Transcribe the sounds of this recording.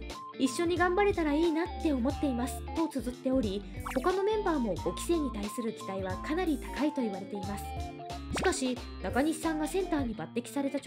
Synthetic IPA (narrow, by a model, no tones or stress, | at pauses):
iɕːo̞ɲ̟iɡãmbaɾe̞t̪aɾaiːnat̪ːe̞o̞mo̞t̪ːe̞imasɨ̥t̪ːo̞t͡sɨzɨt̪ːe̞o̞ɾʲiho̞kano̞mẽ̞mbaːmo̞ɡo̞kʲi̥se̞ːɲ̟it̪aisɨɾɯ̟kʲi̥d̪aiβ̞akanaɾʲit̪ḁkait̪o̞iβaɾe̞t̪e̞imasɨ̥ | ɕi̥kaɕi | nakaɲ̟isãŋɡasẽ̞nt̪aːɲ̟ibat̪ːe̞kʲi̥saɾe̞t̪a